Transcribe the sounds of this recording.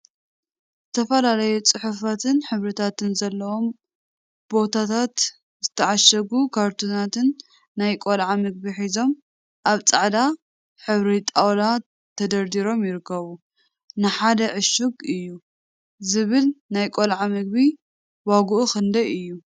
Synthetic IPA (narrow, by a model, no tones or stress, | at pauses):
zɨt̪ʰɐfɐlalɐjut͡sʼɨħufat̪ʰɨnħɨβɾɨt̪ʰat̪ɨnzɐlːɐwo̞m | b̥o̞t̪ʰat̪ʰat̪ | zɨt̪ʰɐʕaʃɐɡukʰaɾt̪ʰunat̪ʰɨnː | ajkʼolʕamɨɡ̚biħizo̞m | ʔaβt͡sʼaʕd̪a | ħɨβɾit̪ʼawlat̪ʰː | ɐd̪ɐɾd̪iɾo̞mjɪɾɨkːɐβu | nɨħad̪ɐʕɨʃuɡɨjːu | zɨβɨlnajkʼo̞lʕamɨɡ̚bi | waɡuʔuxɨnd̪ɐjɨjːu